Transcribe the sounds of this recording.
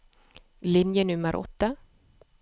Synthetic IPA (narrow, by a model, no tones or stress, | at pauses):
lɪnjənɵmːəɾʔɔ̰t̪ːa